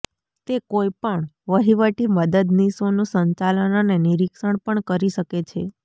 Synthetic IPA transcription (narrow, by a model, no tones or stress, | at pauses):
t̪ekoipəɳʋəɦiʋəʈiməd̪əd̪nisonũsəɲt͡ʃalənaneniɾikʃəɳpəɳkəɾiʃəket͡ʃʰe